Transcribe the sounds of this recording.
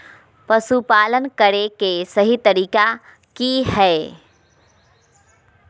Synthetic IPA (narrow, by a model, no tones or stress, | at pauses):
pəsupaːlənkəɾekesəɦit̪əɾiːka | kiɦɛː